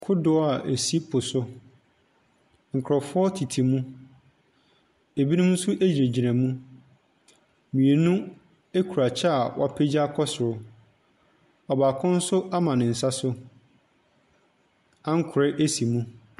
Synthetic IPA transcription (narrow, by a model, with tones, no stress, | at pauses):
kʰʊ˦dʊ˦˨a˨ʔe˨si˦pʰʊ˨sʊ˦ | ŋ̩˨kʰɾɔ˨fʊ˦ɔ˦tʰi˨tʰi˨mũ˦ | e˨bi˦nũ˦m̩˦sʊ˦ʔe˦d͡ʑɾe˨d͡ʑi˨næ̃˨mũ˦ | mĩ˨e˨nũ˦ | e˦kʰu˨ɾa˨t͡ɕʰɛ˦a˨wʔa˦˨pʰe˦d͡ʑa˦kʰɔ˦sɪ˨ɾʊ˦ | ɔ˨baː˨kʰʊ̃˦n̩˦sʊ˦a˦mã˨nɪ̃˨n̩˨sa˦sʊ˦ | ã˦ŋ̩˦kʰʊ˨ɾɪ˦ʔe˦si˨mũ˦